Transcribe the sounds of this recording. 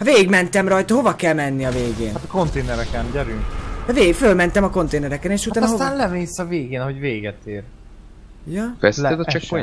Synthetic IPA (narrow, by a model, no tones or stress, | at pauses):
hɒveːɡiɡmɛnt̪ɛmrɒjt̪ɒɦo̞vɒkɛlmɛnːiɒveːɡeːnat̪ko̞nt̪eːnɛɾɛkɛnɟɛɾynɛveːfølmɛnt̪ɛmɒko̞nt̪eːnɛɾɛkɛneːʃut̪t̪aːnsoːnlɛmeːsɒveːɡeːnɒɦo̞ɟveːɡɛt̪eːr | jɒfɛsɛt̪ɛt͡ʃɒko